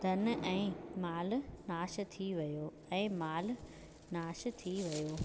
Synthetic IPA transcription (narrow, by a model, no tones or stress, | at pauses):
d̪ʱɐnʔɛ̃ːmaːlnaːʃt̪ʰiʋɐjoː | ɛ̃ːmaːl | naːʃt̪ʰiʋɐjoː